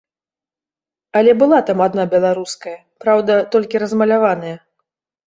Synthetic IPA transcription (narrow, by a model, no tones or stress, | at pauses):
ɐlʲɛbɨlˠat̪amad̪nabʲɛlˠaɾuskɐjɐ | pɾawd̪ɐt̪ɔlʲkʲiɾɐzmɐlʲavan̪ɐjɐ